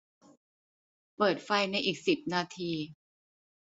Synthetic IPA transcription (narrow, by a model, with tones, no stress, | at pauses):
pɤː˨˩t̪̚fa˧jna˧jʔiː˨˩k̚si˨˩p̚naː˧t̪ʰiː˧